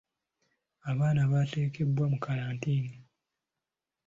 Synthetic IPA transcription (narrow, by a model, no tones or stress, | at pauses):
aβaːnaβaːte̞ːkʰe̞bwamukʰaɾaːntiːni